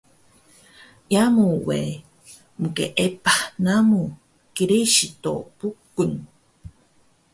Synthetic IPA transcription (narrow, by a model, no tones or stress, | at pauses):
ʔjamuwe | mukḛʔepanamu | kiɾiʃit̪o̰pukːɨŋ